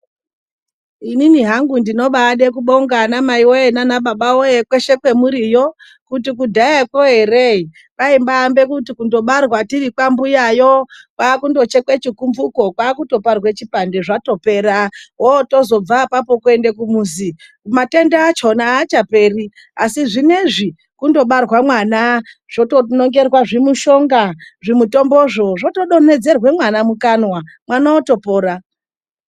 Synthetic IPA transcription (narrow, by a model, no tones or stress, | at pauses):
ininiɦaŋɡundino̞ɓaɗe̞k̬uɓo̞ŋɡanamaiwojenanaɓaɓawojekwe̞ʃe̞kwe̞muɾijo̞ | kut̬ik̬udʱajekoɦe̞rei | kaimbaːmbe̞kutikundo̞ɓarwatirikwambujajokwaːkundo̞t͡ʃe̞kwe̞t͡ʃikumvuko̞kwaːkuto̞parwet͡ʃipandeʐato̞pe̞ːɾaɦoto̞zo̞b͡vapapo̞kue̞ndekumuːzi | umate̞ndaːt͡ʃo̞naːt͡ʃape̞ːri | asiʐine̞ʐi | kundo̞ɓarwamwana | ʐ̥o̞tono̞ŋɡe̞rwaʐimuʃo̞ŋɡaʐimuto̞mboʐo̞ʐo̞to̞ɗo̞ne̞d͡ze̞rwe̞mwanamukanwa | mwanaoto̞po̞ːɾa